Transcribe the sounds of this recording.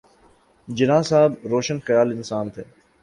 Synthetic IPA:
d͡ʒɪnãːsaːbɾoːʃənxəjaːlɪnsaːnt̪ʰeː

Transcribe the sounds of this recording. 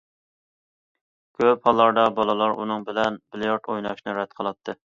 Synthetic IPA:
kʲʰøphɑlˠːɑɾd̪ɑbɑlˠɨlˠɑɾṵnɨŋbɪlɛnbɪljɑɾt̪ʰojnɑʃnɨɾɛd̪̚qʰəlˠɑt̪ʰːɨ

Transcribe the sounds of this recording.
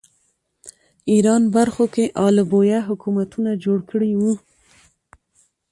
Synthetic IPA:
iɾɑnbaɾxokeʔɑlbojaɦʊkumat̪unad͡ʒoɽkəɽiwu

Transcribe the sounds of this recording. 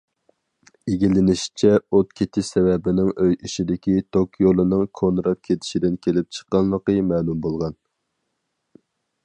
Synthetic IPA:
eɡʲilɪnɪʃt͡ʃʰɛot̪̚kʲʰet̪ʰɪʃsɛwɛbɪnɪŋøjiʃid̪ɪkʲit̪ʰokjolˠɨnɨŋkʰonɾɑp̚kʲʰet̪ʰɪ̥ʃid̪ɪnkʲʰelɪp̚t͡ʃʰə̥qːɑnlˠəqəmɛːlumbolˠʁɑn

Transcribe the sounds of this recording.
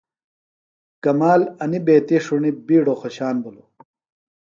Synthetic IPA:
kɐmaːlɐnibeːt̪iʂuɳibiːɽoxoɕaːnbulo

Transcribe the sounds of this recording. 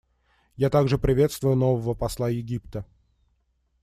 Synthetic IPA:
jat̪aɡʐɨpɾʲɪvʲe̞t̪st̪vʊjʊnovəvəpɐslˠajɪɡʲipt̪ə

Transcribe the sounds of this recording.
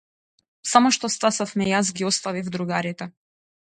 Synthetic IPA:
samɔʃt̪ɔst̪asafmɛjasɡʲiɔst̪avivd̪ɾuɡaɾit̪ɛ

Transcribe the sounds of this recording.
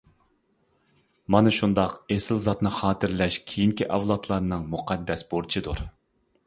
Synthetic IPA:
mɑnɨʃund̪ɑqesɪlzɑt̪nɨχɑːt̪ʰɪɾlɛʃkʲʰejiŋkʲiʔɑwlˠɑt̪ʰlˠɑɾnɨŋmuqʰɛd̪ːɛsboɾt͡ʃʰid̪uɾ

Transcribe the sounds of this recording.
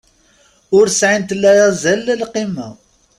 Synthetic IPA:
ʊɾsʕint̪lːæjæzælːəlqimæ

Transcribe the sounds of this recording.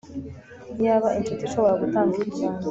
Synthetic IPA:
jaβaʔint͡ʃutiʃo̞βo̞ɾaɡutaːŋɡiɾicaːna

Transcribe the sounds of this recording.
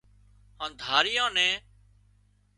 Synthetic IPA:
hãːnd̪ʱaːɾɪjãːnɛ̃ː

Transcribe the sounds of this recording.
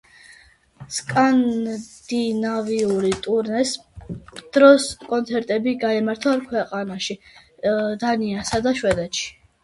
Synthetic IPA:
skʼand̪̥inaviuɾit̪ʼuɾnɛs | d̪̥ɾɔskʼɔnt̪sʰɛɾt̪ʼɛbiɡaɛmaɾt̪ʰaɾkʰwɛqʼanaʃi | d̪aniasad̪aʃwɛd̪ɛt̪ʃi̥

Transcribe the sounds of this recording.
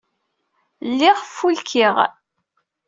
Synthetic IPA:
lːiʁfːulkʰiʁ

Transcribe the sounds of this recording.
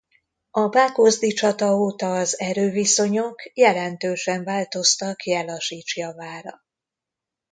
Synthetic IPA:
ɒbaːko̞zd̪it͡ʃɒt̪ɒoːt̪ɒːzɛɾøːviso̞ɲokjɛlɛnt̪øːʃɛɱvaːlt̪o̞st̪ɒkjɛlɒʃiːt͡ʃjɒvaːɾɒ̰

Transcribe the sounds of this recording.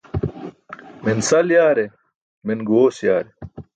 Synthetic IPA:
minsɐljaːɾe | minɡoːsjaːɾe

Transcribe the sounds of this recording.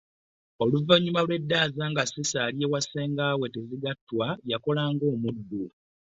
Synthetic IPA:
o̞luvaɲːumalwe̞dːaːzaːŋɡasisaljewaseːŋɡaːwe̞teziɡatːwajako̞laːŋɡo̞ːmudːu

